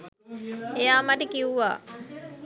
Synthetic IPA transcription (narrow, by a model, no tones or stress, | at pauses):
ejaːmaʈəkiuʋa̰ː